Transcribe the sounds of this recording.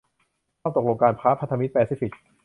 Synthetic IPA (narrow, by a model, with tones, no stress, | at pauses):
ɔː˥˩t̪o˨˩k̚lo˧ŋkaː˧npʰaː˦˥pʰa˦˥t̪ʰa˧mi˦˥t̪̚pɛː˧si˦˥fi˨˩k̚